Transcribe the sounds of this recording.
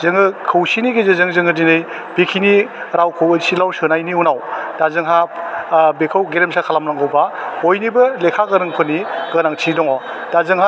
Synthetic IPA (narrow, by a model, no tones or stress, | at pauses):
zɯŋɯkʰɯwsiniɡezezɯŋzɯŋɯdinɯj | b̥ikʰiniɾawkʰɯwejsilawsɯnajniunawd̥azɯŋɦa | bekʰawɡeɾemsakʰalamnaŋɡɯwbahojnibɐlekʰaɡɯɾɯŋpʰɯniɡɯnaŋtʰidɔŋɔ | d̥azɯŋɦa